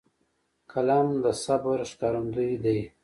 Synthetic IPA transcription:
kʰalamd̪əsabaɾʃkɑɾund̪ujd̪aj

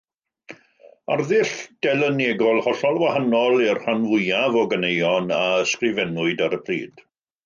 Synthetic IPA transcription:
arðɪɬd̥ɛlˠəneɡɔlˠhɔɬɔlˠvwahanɔlˠirhanvʊjavɔɡənejɔnaəskrɪvɛnʊɨdaɾəpʰrḭːd̥

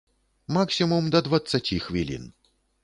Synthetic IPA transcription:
maksʲimumd̪ɐd̪vɐt̪sɐtʲixvʲilʲḭn

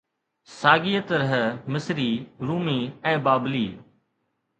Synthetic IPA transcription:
saːɡiːət̪əɾəɦmɪsɾiːɾuːmiːɛ̃ːbaːbliː

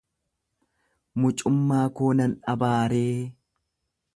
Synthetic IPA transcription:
mʊt͡ʃʼʊmːaːkoːnɐnᶑɐbaːɾeː

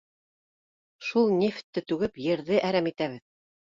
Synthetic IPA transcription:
ʃulˠnʲeft̪ːɘt̪ʉɡɘpjɘ̆ɾðɘʔæɾæmit̪æβɘð

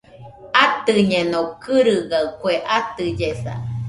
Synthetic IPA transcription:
at̪ɨɲenõkɨɾɨɡakweʔat̪ɨd͡ʒeθa̰

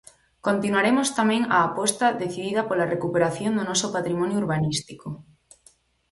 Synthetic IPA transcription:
kont̪inwaɾemost̪amẽŋaːpɔst̪ɐðeθiðiðɐpolarekupeɾaθjond̪onɔsopat̪ɾimɔ̃njouɾβanist̪iko

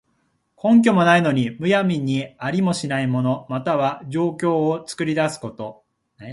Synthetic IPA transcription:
kʰõ̞ŋk̬ʲo̞mo̞naino̞ɲ̟imɯ̟jamʲiɲ̟ːiaɾʲimo̞ɕinaimo̞no̞mat̪aβad͡ʑo̞ːkʲo̞ːt͡sɨ̥kɯ̟ɾʲid̪asɨ̥ko̞t̪o̞

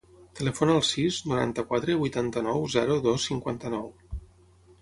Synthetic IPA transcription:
t̪ələfonəlˠsiznuɾa̰nt̪əkwat̪ɾəβujt̪ant̪ənɔwzɛɾuðɔsːiŋkwa̰nt̪ənɔw

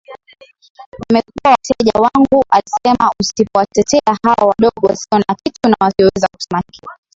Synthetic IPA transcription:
amɛkuawatɛʄawaŋɡuʔalisɛmausipɔwatɛtɛahawawaɗɔɡɔwasiɔnakitunawasiɔwɛzaku̥sɛmaikia

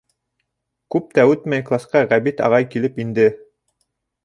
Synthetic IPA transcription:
kʉp̚t̪æʉt̪mæjklˠɑsqɑʁæβit̪ɑ̰ʁɑjkilɘpind̪ɘ

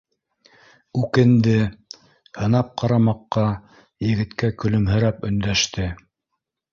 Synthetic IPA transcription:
ʉkɘ̆nd̪ɘ | hɤ̆nɑp̚qʰɑɾɑmɑqːɑ | jɘ̆ɡɘ̆t̪kækɵ̆lɵ̆mɦɘ̆ɾæpɵ̆nd̪æʃt̪ɘ

